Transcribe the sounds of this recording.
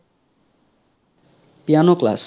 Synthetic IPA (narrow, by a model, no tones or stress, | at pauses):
pjanokla̰s